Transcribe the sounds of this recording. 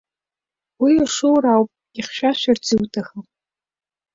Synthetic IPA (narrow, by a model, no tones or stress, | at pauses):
wiaʂɨwɾawpʼʲ | iχʃʷᶣaʃʷᶣart͡sʰɨwtʰaxa